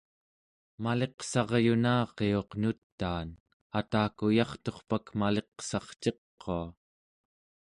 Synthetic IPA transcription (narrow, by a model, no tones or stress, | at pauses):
male̞qsɑʁjunaːqeo̞qnut̪ːaːn | at̪aːkujɑχt̪o̞χpakmale̞qsɑχt͡ʃe̞qːoa